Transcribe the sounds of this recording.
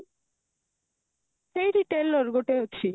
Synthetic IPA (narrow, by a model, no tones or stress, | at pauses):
ʃejɾiʈelːoɾɡoʈeɦotːʰi